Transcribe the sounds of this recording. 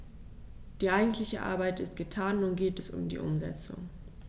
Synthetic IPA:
d̥iːʔaɪɡŋ̩tʰlɪçəʔa̰ɐbaɪtɪstɡ̥ətʰaːnunɡeːtɛsʊ̰mdḭːʔʊmzɛ̰t͡sʊ̰ŋ

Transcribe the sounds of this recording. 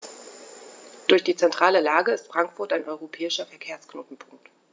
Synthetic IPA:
d̥ʊɐçd̥iːt͡sɛntʁ̥aːləlaːɡəɪstfʁ̥aŋkfʊɐtaɪnʔɔʏʁopʰɛːɪʃɐfɛɐkʰeːɐsknoːtn̩pʰʊŋk̚t

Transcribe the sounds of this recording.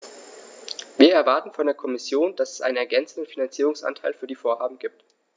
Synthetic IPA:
viːɐɛɐvaɐtn̩fɔndeːɐkʰɔmɪsjoːnd̥asɛ̥sʔa̰ɪnənɛɐɡɛnt͡sn̩dən̩finant͡siːʁ̞ʊŋsʔa̰ntʰaɪlfyːɐdiːfoːɐhaːbm̩ɡiːp̚t

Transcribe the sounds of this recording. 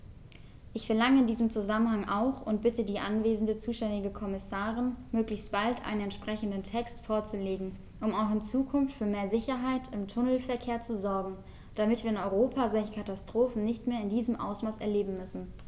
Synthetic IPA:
ʔɪçfɛɐlaŋəɪndiːzəmt͡suzamənɦaŋʔaʊxʊnt̚b̥ɪtədiːʔanveːzn̩dət͡suːʃtɛndɪɡəkʰɔmɪsaːʁɪnmøːklɪçstb̥altʰʔa̰ɪnənɛntʃpʁ̥ɛçn̩dəntʰɛkstfoːɐt͡suleːɡŋ̩ | ʔʊmaʊxɪnt͡suːkʰʊnftfyːɐmeːɐzɪçɐɦaɪtʰɪmtʰʊnl̩fɛɐkʰeːɐt͡suzɔɐɡŋ̩ | d̥amɪtv̥iːɐɪnɔʏʁoːpʰazɔlçə̥kʰatastʁ̥oːfn̩nɪçtmeːɐɪndiːzəmʔa̰ʊsmaːsɛ̰ɐleːbm̩mʏsn̩

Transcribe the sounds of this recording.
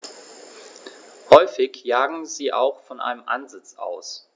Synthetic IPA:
hɔʏfɪçjaːɡŋ̩ziːʔaʊxfɔnʔa̰ɪnəmʔa̰nzɪt͡sʔa̰ʊs

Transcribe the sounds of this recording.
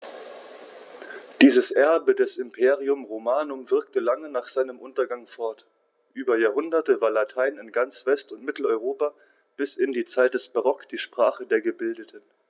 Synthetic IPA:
d̥iːzəsʔɛɐbədɛsɪmpʰeːʁ̞iʊmʁomaːnʊmvɪɐktəlaŋənaːχz̥aɪnəmʔʊntɐɡaŋfɔɐt | ʔyːbɐjaːɐɦʊndɐtəvaːɐlatʰaɪnɪnɡant͡sv̥ɛstʊntmɪtl̩ɔʏʁoːpa | b̥ɪsɪndiːt͡saɪt̚d̥ɛsb̥aʁɔkd̥iːʃpʁ̥aːχədeːɐɡəbɪldətʰən

